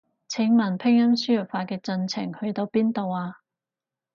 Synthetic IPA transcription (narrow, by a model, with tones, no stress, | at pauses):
t͡sʰɪ˨˥ŋmɐ˨˩npʰɪ˥ŋjɐ˥msyː˥jɵ˨˩k̚faː˧kɛː˧t͡sɵ˧nt͡sʰɪ̰˨˩ŋhɵ˧ɥt̪o˧wpiː˥nt̪o˨waː˧